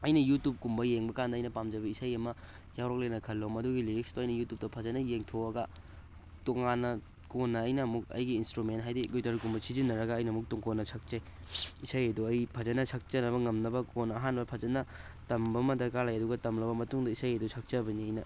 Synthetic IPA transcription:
ɐjnɐjutup̚kumbɐjeŋbɐkandɐːjnɐpamd͡ʒɐbɐisajɐmɐ | jawɾok̚lenɐkʰɐlːomɐduɡiliɾik̚stoɐjnɐjutup̚tɐpʰɐzɐnɐjeŋtʰoɐɡɐ | toŋanːɐ | konːɐːjnɐːmuk̚ɐ̰jɡiːnstɾumentɦajdiɡojtɐɾkumbɐsizinːɐɾɐɡɐːjnɐɐmuk̚tuŋkonːɐsʰɐk̚t͡ʃaj | isajɐduɐjpʰɐzɐnɐsʰɐk̚t͡ʃɐnɐβɐŋɐmnɐbɐkonːɐːɦanbɐpʰɐzɐnɐ | tɐmbɐmɐtɐɾkalajɐduɡɐtɐmlɐbɐmɐtuŋdɐisajɐdusʰɐk̚t͡ʃɐbɐniɐjnɐ

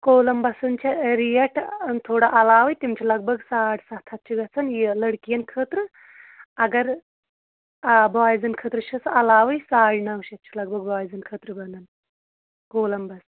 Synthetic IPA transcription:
koːlɐmbɐsɨnt͡ʃʰɐɾijɐʈʰt̪ʰoːɽaʔɐlaːʋɨjt̪imt͡ʃʰilɐɡ̚bʱɐɡsaːʈsɐt̪ʰɐt̪̚t͡ʃʰiɡɐt͡sʰɐnjilɐɽkijɐnkʰəːt̪ɾɨ | ɐɡɐɾ | bʱaːjzɐnkʰəːt̪ɾɨʃʰɐsɐlaːʋɨjsaːɽnɐwʃɐt̪̚t͡ʃʰilɐɡ̚bʱɐɡbʱaːjzɐnkʰəːt̪ɾɨbɐnɨn | koːlɐmbɐs

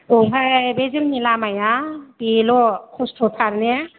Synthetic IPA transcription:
ɔɦajbezɯŋnilamajab̥ilɔkʰɔstʰɔpʰaɾne

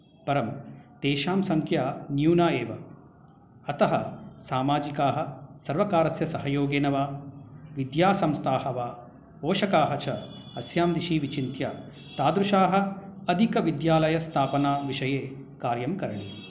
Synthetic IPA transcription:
pɐɾɐmt̪eːʃaːmsɐŋkʰjaːnjuːnaːeːʋɐː | t̪ɐɦɐ̰saːmaːd͡ʒikaːɦɐsɐɾʋɐkaːɾɐsjɐsɐɦɐjoːɡeːnɐʋaːʋid̪jaːsɐmst̪ʰaːɦɐʋaː | poːʃɐkaːɦɐt͡ʃɐ | ɐsjaːmd̪iʃiːʋit͡ʃint̪ʰjaː | t̪aːd̪ɾuʃaːɦɐ̆ɐd̪ʱikɐʋid̪jaːlɐjɐst̪ʰaːpɐnaːʋiʂɐjeːkaːɾjɐmkɐɾɐɳḭ

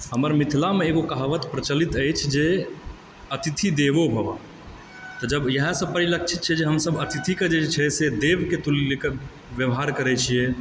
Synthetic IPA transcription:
ɦəməɾmit̪ʰlameeɡokaɦʋət̪pɾət͡ʃəlit̪əjt͡ʃʰd͡ʒe | ət̪it̪ʰid̪eʋobʱəba | t̪ɔd͡ʒəbjəɦə̃sə̃pəɾilək̚t͡ʃʰi̥t̪̚t͡ʃʰɛd͡ʒeɦəmsəbət̪it̪ʰiked͡ʒet͡ʃʰɛsed̪eʋket̪ulileke | ʋjəʋɦaɾkəɾɛt͡ʃʰie

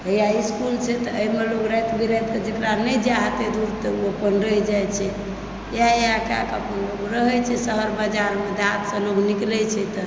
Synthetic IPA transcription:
əjjaiskult͡ʃʰɛt̪əəimeloɡɾəɦɛt̪bʱiɾɛɛt̪ked͡ʒekɾanɛd͡ʒaɦət̪ed̪uɾt̪əuəpənɾəɦɛd͡ʒajt͡ʃʰɛ | jaeaka̰kəpənloɡɾəɦɛt͡ʃʰɛsəɦəɾbad͡ʒaɾmed̪at̪sə̃loɡniklɛt͡ʃʰɛt̪ə

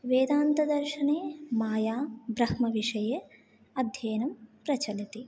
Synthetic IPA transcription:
ʋeːd̪aːnt̪ɐd̪ɐɾʃɐneːmaːjaːbɾɐhmɐʋiʂɐjɐ | ɐd̪ʱjɐːnɐmpɾɐt͡ʃɐlɐt̪i

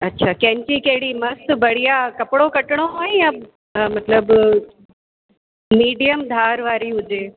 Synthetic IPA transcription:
ɐtːɕʰakɐ̃ɦɪ̃ɲt͡ɕikɐɦɪɽimɐst̪̆bʱɐɽ̤ijakɐpɪɽokɐʈɪɽ̃oɦõːja | mɐt̪ləb | miːɖijəmd̪ʱaːɾʋaːɾiɦʊd͡ʑeː

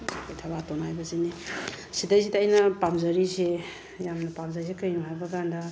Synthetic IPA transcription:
kʰojtʰaβatonajbɐzini | sidajsitːjnɐpamzɐɾise | jamnɐpamzaɾis̬ekɐjnuɦajbɐɡandɐ

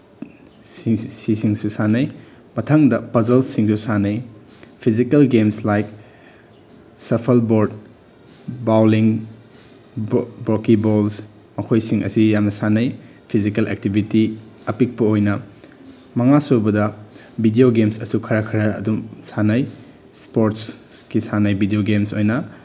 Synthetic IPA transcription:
sisiŋsusanɐj | mɐtʰaŋdɐpɐzɐlsiŋdusanɐj | pʰizikɐlɡemslajk̚ | sɐpʰɐlboɾd | bawliŋ | bɾokibols | mɐkʰojsiŋɐ̰sijamnɐsanɐj | pʰizikɐlḛk̚tibʱiti | ɐpik̚pɐojnɐ | mɐŋasubɐdɐ | bʱidioɡemsɐsukʰɐɾakʰɐɾɐːdumsanɐj | spoɾt̚skisanɐjbʱidioɡemsojnɐ

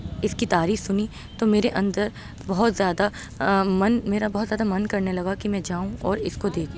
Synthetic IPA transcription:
ɪskit̪aːɾiːxsʊni | t̪omeːɾeʔɐ̃nd̪əɾ | bɐɦʊt̪zjaːd̪a | mɐnmeːɾabɐɦɔt̪zjaːd̪amɐnkɐɾnelɐɡakimɛ̃d͡ʒaːũɔːɾɪskod̪eːkʰː

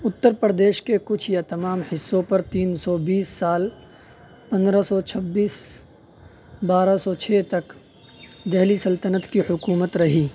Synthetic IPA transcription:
ʊt̪ːəɾpɾəd̪eːʃkekʊt͡ʃʰjat̪ɐmaːmhɪsːõpɐɾt̪iːnsɔbiːsːaːl | pɐ̃nd̪ɾasɔt͡ʃʰɐbːiːs | baːɾasɔːt͡ʃʰeːt̪ɐk | d̪ɛɦlisɐlt̪ənət̪kihʊkuːmət̪ɾɐɦiː

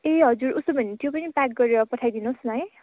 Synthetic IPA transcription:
eɦʌd͡zuɾusobʱʌnit̪jopʌnipak̚ɡʌɾeɾʌpʌʈʰajd̪inosnae

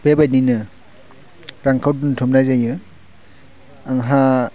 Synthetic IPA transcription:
b̥ebajninɯ | ɾaŋkʰawduntʰɔmnajzajɯ | aŋɦa

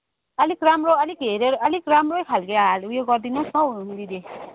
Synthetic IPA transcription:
ʌlikramroʌlikɦeɾeɾʌlikramrojkʰalɡeɾalujoɡʌrd̪inusmʌuund̪id̪e

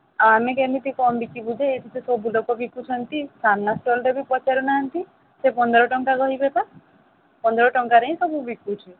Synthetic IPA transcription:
amekemit̪ikɔmbikibud̪ʱeet̪ʰit̪ʰesɔbulokɔbikut͡ʃʰɔnt̪isanːasʈolʈebipɔt͡ʃaɾunaant̪i | sepɔnd̪ɔɾɔʈɔŋkakɔɦibepa | pɔnd̪ɔɾɔʈɔŋkaɾeĩsɔbubikut͡ʃʰi

